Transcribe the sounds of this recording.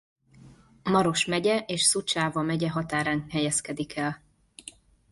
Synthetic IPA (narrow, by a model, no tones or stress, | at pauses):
mɒɾo̞ʃmɛɟɛʔeːʃsut͡ʃaːvɒmɛɟɛɦɒt̪aːɾaːŋkhɛjɛskɛd̪ikʰɛl